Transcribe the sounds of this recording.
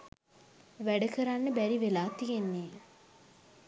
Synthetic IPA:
ʋæɖəkəɾanːəbæɾiʋelaːt̪iɡenːeː

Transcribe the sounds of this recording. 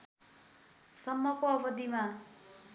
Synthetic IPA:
sʌmːʌkoʌbʌd̪ima

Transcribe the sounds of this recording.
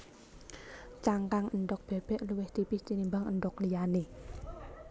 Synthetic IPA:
t͡ʃaŋkaŋʔənd̪ʊk̚b̥ɛ̤b̥ɛ̤ʔluwɪht̪ipiht͡ʃinimbaŋənd̪ɔklijane

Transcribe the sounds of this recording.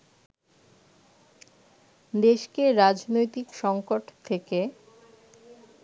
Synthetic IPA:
d̪eʃkeɾad͡ʑnojt̪ikʃɔŋkoʈt̪ʰeke

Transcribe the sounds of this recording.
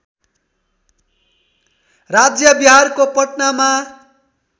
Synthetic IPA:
rad͡zjʌbiɦarkopʌʈnama

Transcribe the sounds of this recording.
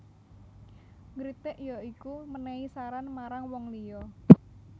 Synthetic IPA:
ŋɾit̪ɪʔjɔikumənɛisaɾanmaɾaŋwɔŋlijɔ

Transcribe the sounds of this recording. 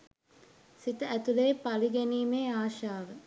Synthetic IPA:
sit̪əæt̪uleːpaliɡeniːmeːaːʃaːʋə

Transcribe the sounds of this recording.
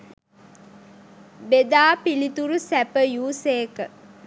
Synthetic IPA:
bed̪aːpilit̪uɾusæpəjuːseːkə

